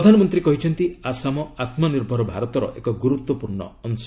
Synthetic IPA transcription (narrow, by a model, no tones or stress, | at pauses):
d̪ʱanɔmɔnt̪ɾikɔɦit͡ʃʰɔnt̪iasamɔat̪maniɾbʱɔɾɔbʱaɾɔt̪ɔɾɔ̰ʔekɔɡuɾut̪wɔpuɾɳɔ̰ɔns